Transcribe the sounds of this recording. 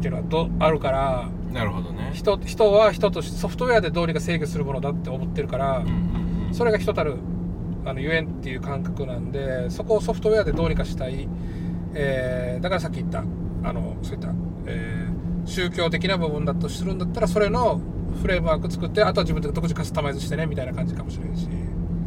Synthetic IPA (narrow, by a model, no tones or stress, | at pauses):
t̪eɾɯ̟ad̪oaɾɯ̟kaɾa | naɾɯod̪onçi̥t̪oçi̥t̪o̞βaçi̥t̪o̞t̪o̞ɕi̥t̪so̞ɸɯ̟t̪o̞e̞ad̪e̞d̪o̞ːɲ̟ikase̞ːkʲesɨɾɯ̟mono̞d̪at̪ːe̞omo̞t̪ːe̞ɾɯ̟kaɾa | so̞ɾe̞ɡaçi̥t̪o̞t̪aɾɯ̟ | ano̞jɯ̟ẽ̞nt̪ːe̞jɯ̟ːkãŋkakɯ̟nãnd̪e̞so̞ko̞ːso̞ɸɯ̟̥t̪o̞e̞ad̪e̞d̪oːɲ̟ikaɕi̥t̪ai | eːd̪akaɾas̬akʲːit̪ːa̰ː | no̞̰so̞ːit̪ːa | eː | ɕɨːkʲo̞ːt̪e̞kʲinabɯ̟bɯ̟̃nd̪at̪ːoɕi̥sɨɾɯ̟̃nd̪at̪ːaɾaso̞ɾe̞no̞ | ɸɯ̟ɾe̞ːmɯaːkɯ̟t͡sɨ̥kɯ̟t̪ːe̞at̪o̞aʑibɯnad̪o̞kɯ̟ʑikat̪t̪ːamaezɨɕi̥t̪ene̞mʲit̪ainakãɲ̟d͡ʑikamo̞ɕiɾẽ̞ñɕḭ